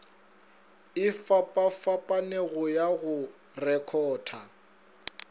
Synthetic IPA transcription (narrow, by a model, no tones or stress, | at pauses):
ɪfapʼafapʼaneɣʊjaɣʊ | rɛkʰɔːtʰa